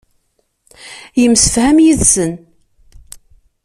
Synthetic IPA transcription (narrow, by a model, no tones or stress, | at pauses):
jəmsəfhæmjiðsən